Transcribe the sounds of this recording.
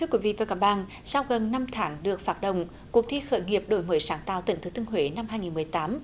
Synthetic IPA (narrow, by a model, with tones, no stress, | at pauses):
ɨ˧əkwi˨˦vḭ˧˨vaː˨˩kaː˧˦˩ɓa̰ː˧˨n | sa˧wɣə˨˩nna˧mt̪ʰaː˨˦ŋɗɨ˨˩ək̚faː˧˩t̚ɗə̰˧˨wŋ͡m | ku˨˩ək̚t̪ʰi˧xə̰ː˧˦jŋi˨˩əp̚ɗo̰˧˦jməː˨˦jsaː˨˦ŋt̪a̰ː˧˨wt̪ï˧˩ŋ̟t̪ɨ˨˦t̪ɨ˧ŋɦwe˨˦na˧mhaː˧jŋi˨˩nmɨ˨˩əjt̪aː˨˦m